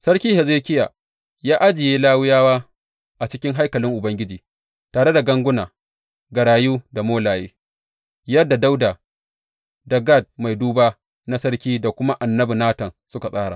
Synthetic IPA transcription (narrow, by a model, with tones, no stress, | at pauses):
sɐ˦ɽkʲiː˦hɛ˨zeː˦kʲɪ˦ja̰ː˨ | jaː˦ʔa˦d͡ʒɪ˨jeː˦laː˦wɪ˦jaː˦waː˦ | ʔa˨t͡ʃɪ˦kʲɪ˦ŋɦa˦jkɐ˨lɪ˦ŋʔʊ˨bɐ˦ŋɡʲɪ˦d͡ʒiː˨ | taː˨ɽe˦da˨ɡɐ˦ŋɡʷʊ˦naː˨ | ɡɐ˨ɽaː˨juː˦da˨moː˦laː˨jeː˦ | jɐ˦dːa˨da˦wdaː˨ | da˨ɡa˦˨d̚ma˨jduː˦baː˦ | na˦sɐ˦ɽkʲiː˦da˨kʷʊ˦ma˦ʔa˨nːɐ˦bi˨naː˦tɐ˨nsʊ˦ka˨sʼaː˦ɽa̰ː˨